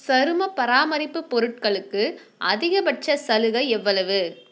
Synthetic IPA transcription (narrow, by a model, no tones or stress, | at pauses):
sɐɾɯmɐpɐɾaːmɐɾɪpːɯpːɔɾɯʈ̚kɐɭɯkːɯ | ʔɐðɪɣɐbɐʈ̚t͡ʃɐsɐlɯɣɐɛʋːɐɭɐʋɯ